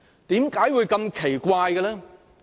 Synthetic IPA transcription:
t̪iː˨˥mkaː˨˥jwuː˨˧jkɐ˧mkʰe˨˩jkʷaː˧jɡɐ˧lɛː˥

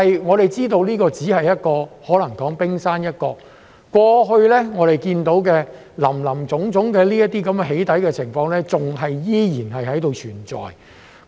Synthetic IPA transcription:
ɐ˨jŋɔː˨˧ɾe˨jt͡siː˥t̪o˧wliː˥kɔː˧t͡siː˨˥hɐ˨jːɐ˥t̚kɔː˧hɔː˨˥lɐ˨˩ŋkɔː˨˥ŋpɪ˥ŋsaː˥njɐ˥t̚kɔː˧ | kʷɔː˧ɦɵ˧ɥlɛː˥ŋɔː˨˧ɾe˨jkiː˧nt̪o˨˥wkɛː˧ | lɐ̰˨˩mlɐ˨˩mt͡sʊ˨˥ŋt͡sʊ˨˥ŋkɛː˧liː˥jɐ˥t̪̚iː˥kɐ˨˦mɛ˧ɦe˨˥jt̪ɐ˨˥jkɛː˧t͡sʰɪ˨˩ŋfɔː˧ŋlɛː˥t͡sʊ˨ŋɦɐ˨jjiː˥jiː˨˩nɦɐ˨jɦɐ˨˥jt̪o˨˧wt͡ʃʰyː˨˩nt͡sɔ̰ː˨j

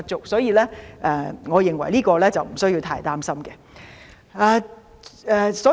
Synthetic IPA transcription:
t͡sʊ˨k̚sɔː˨˥jiː˨˧lɛː˥ʔɛː˨˧ŋɔː˨˧jɪ˨ŋwɐ̰˨˩jliː˥kɔː˧lɛː˥t͡sɐ˨wm̩˨˩sɵ˥ɥji˧wt̪ʰaː˥jt̪aː˥msɐ˥mkɛ˧ | ɛː˨˧ | ɛ˨˧sɔː˨˥

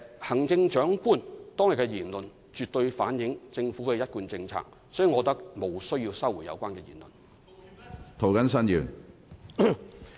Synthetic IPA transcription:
hɐ˨˩ŋt͡sɪ˧ŋt͡ʃœː˨˥ŋkuː˥nt̪ɔː˥ŋjɪ˨˩kːɛ˧jiː˨˩nlɵ˨n | t͡ʃyː˨t̚t̪ɵ˧ɥfaː˨˥njɪ˨˥ŋt͡sɪ˧ŋfuː˨˥kɛː˧jɐ˥t̚kuː˧nt͡sɪ˧ŋt͡sʰa̰ː˧˥k̚ | sɔː˨˥jiː˨ŋɔː˨˧t̪ɐ˥k̚mo˨˧wsɵ˥ɥjiː˧wsɐ˥wu˨˩jɐ̰˨˧wkʷaː˥nkɛː˧jḭː˨˩nlɵ̰˨˩n | t̪ʰo˨wkɐ˨˥nsɐ˥njyː˨n

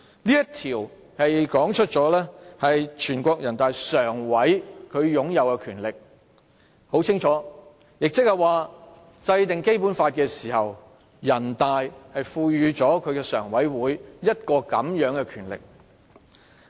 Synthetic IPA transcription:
niː˥jɐ˥t̪ʰiː˨˩w | hɐ˨jkɔː˨˥ŋt͡ʃʰɵ˥t̚t͡sɔː˨˥lɛː˥hɐ˨jt͡ʃʰyː˨˩nkʷɔː˧k̚jɐ˨˩nt̪aː˨jsœː˨˩ŋwɐ˨˥jkʰɵ˨˧ɥjʊ˨˥ŋjɐ˨˧wkɛ˧kʰyː˨˩nlɪ˨k̚ | ho˨˥wt͡sʰɪ˥ŋt͡ʃʰɔː˨˥ | jɪ˨k̚t͡sɪ˥k̚hɐ˨jwaː˨ | t͡sɐ˧jt̪ɪ˨ŋke˥jpu˨˥nfaː˧t̚kɛː˧siː˨˩hɐ˨w | jɐ˨˩nt̪aː˨jhɐ˨jfuː˧jyː˨˧t͡ʃɔː˨˥kʰɵ˨˧ɥkɛː˧sœː˨˩ŋwɐ˨˥jwuː˨˥jjɐ˥t̚kɔː˧kɐ̰˨˥mjœː˨˥ŋkɛː˧kʰyː˨˩nlɪ̰˨k̚

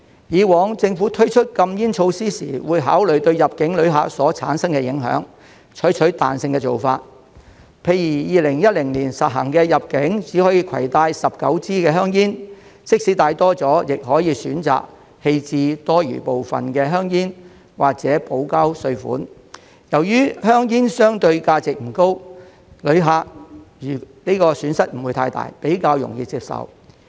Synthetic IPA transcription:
jiː˨˧wɔː˨˥ŋt͡sɪ˧ŋfuː˨˥t̪ʰɵ˥ɥt͡ʃʰɵ˥t̚kɐ˧mjiː˥nt͡ʃʰo˧wsiː˥siː˨˩wuː˨˧jɦaː˨˥wlɵ˨ɥt̪ɵ˧ɥjɐ˨p̚kɪ˨˥ŋlɵ˨˧˥ɥɦa̰ː˨˥t̚sɔː˨˥t͡sʰa̰ː˨˥nsɐ˥ŋkɛː˧jɪ˨˥ŋɦœ̰ː˨˥ŋ | t͡ʃʰɵ˨˥jt͡ʃʰɵ˨˥ɥt̪aː˨nsɪ˧ŋkɛː˧t͡so˨˩wfaː˧t̚ | pʰe˨˧jiː˨˩jiː˨˧lɪ˨˩ŋjɐ˥t̚lɪ˨˩ŋliː˨˩nsɐ̰˨t̚ɦɐ̰˨˩ŋkɛː˧jɐ˨p̚kɪ˨˥ŋt͡siː˨˥hɔː˨˥jiː˧kʰɐ̰˨˩jt̪aː˧jsɐ˨p̚kɐ˨˥wt͡siː˥kɛː˧ɦœː˥ŋjiː˥n | sɪ˥k̚si˨˥t̪aː˧jt̪ɔː˥t͡sɔː˨˥jɪ˨k̚ɦɔː˨˥jiː˨˧syː˨˥nt͡sa̰ː˨k̚ | he˧jt͡siː˧t̪ɔː˥jy̰ː˨˩po˨wfɐ̰˨nkɛː˧ɦœː˥ŋjiː˥n | waː˨k̚t͡sɛː˨˥po˨˥wka˥wsɵ˧ɥfṵː˨˥n | jɐ˨˩wjyː˥hœː˥ŋjiː˥nsœː˥ŋt̪ɵ˧ɥkaː˧t͡sɪ˨k̚m̩˨˩ko˥w | lɵ˨˧ɥɦaː˨˧k̚ː | ni˥kɔː˧syː˨˥nsɐ˥t̚m̩˨˩wuː˨˧jt̪ʰaː˧jt̪a̰ː˨jpe˨˥jkaː˧wjʊ̰˨˩ŋjiː˧t͡siː˧p̚sɐ̰˨˩w

